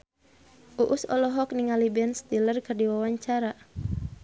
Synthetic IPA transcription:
ʔuʔusɔ̰lɔɦɔk̚niŋalibɛnst̪ilərkɨrdiwawaɲt͡ʃaɾa

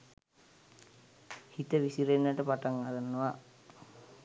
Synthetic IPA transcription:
hit̪əʋisiɾenːəʈəpaʈaŋaɾanːəʋa

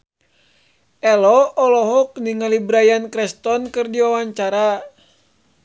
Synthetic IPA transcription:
ɛlɔːlɔɦɔk̚niŋalibɾajankɾɛst̪ɔnkɨrdiwawaɲt͡ʃaɾa

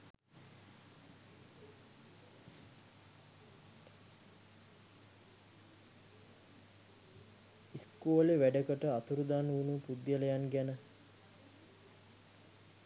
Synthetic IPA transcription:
iskuːleʋæɖəkəʈəat̪uɾud̪aːnunupud̪jələjanɡænə

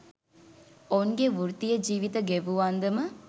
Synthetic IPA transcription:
oŋɡeʋuɾt̪ijɐd͡ʒiːʋit̪ɐɡeʋuʋaːnd̪ɐmə

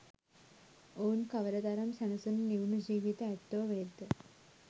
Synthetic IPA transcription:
oːnkɐʋɐɾɐd̪ɐɾɐmɕɐɳɐsɨnniwɳud͡ʑiːʋit̪ɐet̪ːoːʋeːd̪ɨ

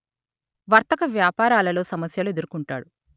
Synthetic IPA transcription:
ʋɐɾt̪ɐkɐʋjaːpaːɾaːlɐlo̞ːsɐmɐsjɐlue̞d̪uɾukuɳʈa̰ːɽu

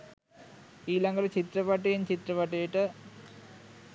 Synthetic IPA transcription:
iːlɐŋɡɐlt͡ɕit̪ɾɐpɐʈːɐjint͡ɕit̪ɾɐpɐʈːɐjiʈːɨ

